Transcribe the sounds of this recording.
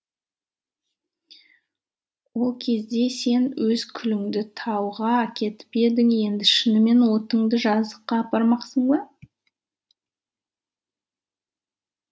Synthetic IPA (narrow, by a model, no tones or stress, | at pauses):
wo̞lˠkʲʰe̞zd̪e̞se̞nwʔɵz̥kʲʰʏlɪŋd̪ɪt̪ʰɑwʁɑkʲʰe̞t̪ɪ̥pe̞d̪ɪŋje̞nd̪ɪʃɪnɪme̞nwo̞t̪əɴd̪əʒɑzd̪əqːɑːpɑɾmɑqsəɴbɑ